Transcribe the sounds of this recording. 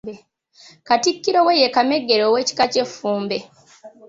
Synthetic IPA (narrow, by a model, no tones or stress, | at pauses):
katikːiɾowejekameɡːe̞ɾoːweːci̥kace̞fːuːmbe